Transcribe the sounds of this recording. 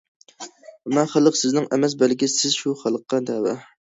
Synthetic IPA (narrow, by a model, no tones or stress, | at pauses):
mɛχælˠəqsɪznɪŋʔɛmɛs̬bælɡʲisɪzʃuχælˠəqːɑd̪ɛwɛ